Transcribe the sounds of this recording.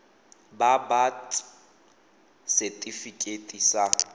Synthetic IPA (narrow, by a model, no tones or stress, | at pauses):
babat | sɛtʼifikʼetʼisa